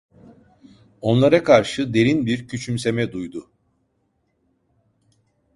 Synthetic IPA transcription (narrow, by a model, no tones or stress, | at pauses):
o̞nlˠaɾakʰaɾʃɯd̪e̞ɾinbiɾcʰyt͡ʃʰymse̞mɛd̪ujd̪ʊ